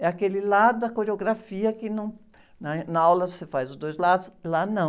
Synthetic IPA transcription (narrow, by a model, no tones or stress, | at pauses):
ɛakelɪlad̪ʊd̪ɐkoɾeoɡɾafiɐkɪnɐ̃w̃ | nɐnɐawlɐvosefajzʊzd̪ojzlad̪ʊslanɐ̃